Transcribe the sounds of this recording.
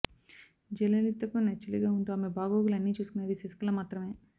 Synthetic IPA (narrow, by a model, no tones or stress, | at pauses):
d͡ʒɛlɐlit̪ːɐkunɐt͡ʃːɐliɡaːuɳʈuːɐːmebʱaːɡoːɡulɐnːiːt͡ʃuːsukunɐd̪iseskɐlɐmaːt̪ɾɐme̞ː